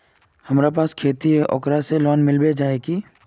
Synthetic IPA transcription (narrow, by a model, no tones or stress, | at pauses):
hɐmɾapaːskʰeːt̪ieʔɔ̰kɾaselɔːnmɪlbed͡ʒaːeki